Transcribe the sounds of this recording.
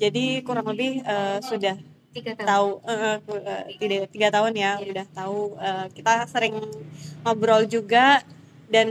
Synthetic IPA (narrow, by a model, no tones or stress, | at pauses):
d͡ʒadikuɾaŋləbɪhəːsudah | t̪auəʔəhuət̪idat̪iɡat̪aɦʊnjaudaht̪auəːkit̪asəɾɪŋmabɾɔld͡ʒuɡa | dan